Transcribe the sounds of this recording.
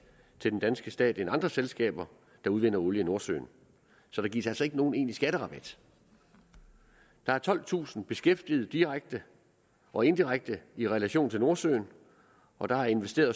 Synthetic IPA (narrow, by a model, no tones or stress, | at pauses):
t͡sʰe̝d̥end̥ænsɡ̥əsd̥ɛ̰ːd̥enɑ̈nd̥ʁɐselsɡ̥ɛ̰ːb̥ɐ | d̥ɑ̈uð̞ˠʋen̰ɐoljəno̝ɐsø̰ːn | sɒ̽ɾ̥ɑ̈ɡḭɐsæl̰sɒ̽e̝ɡ̥əno̝ːn̩e̝̰ːnisɡ̥æɾ̥əʁɑ̈b̥æd̥ | d̥ɑ̈æɐt͡sʰɒ̽l̰t͡sʰṵːsn̩b̥e̝sɡ̥efd̥ið̞̩ˠd̥iʁaɡ̥̚d̥ə | ʔɒ̽e̝nd̥iʁaɡ̥̚d̥əiʁɛlæɕo̝̰ːnt͡sʰe̝lno̝ɐsø̰ːn | ɒ̽d̥ɑ̈æɐe̝nʋesd̥e̝̰ːɐðˠ